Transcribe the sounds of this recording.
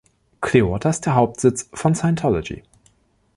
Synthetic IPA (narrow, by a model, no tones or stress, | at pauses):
kʰleotʰɐɪstd̥eːɐɦaʊp̚tz̥ɪt͡sfɔnsaɪntʰɔlɔd͡ʒḭ